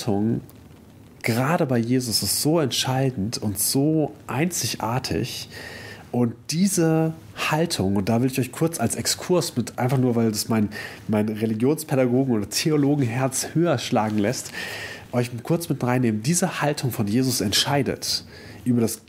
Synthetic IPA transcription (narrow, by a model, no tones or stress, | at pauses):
tʰʊŋ | ɡ̥əʁaːɾəbaɪjeːzʊsɪstz̥oːɛntʃaɪdn̩tʰʊntz̥oːʔaɪnt͡sɪçʔa̰ːɐtʰɪ̰ç | ʔʊnt̚d̥iːzə | haltʰʊŋʊntd̥aːvɪləɪçɔʏçkʰʊɐt͡salsɛkskʰʊɐsmɪtʔa̰ɪnfaχnuːɐvaɪldudasmaɪnmaɪnʁeliɡjoːnspʰɛdaɡoːɡŋ̩oːdɐtʰeoloːɡŋ̩ɦɛɐt͡shøːɐʃlaːɡŋ̩lɛstʔɔʏçkʰʊɐt͡smɪt̚dʁaɪnːeːməndiːzəhaltʰʊŋfɔnjeːzʊsɛntʃaɪdə̰t | ʔyːbɐɾas